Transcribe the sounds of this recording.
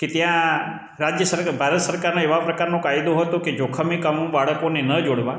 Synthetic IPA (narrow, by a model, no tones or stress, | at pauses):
ket̪jã | ɾad͡ʒjəsəɾbʱaɾət̪səɾkaɾnõeʋapɾəkaɾnõkaid̪õɦət̪õked͡ʒokʰəmikamũbaɭəkonenəd͡ʒoɽʋã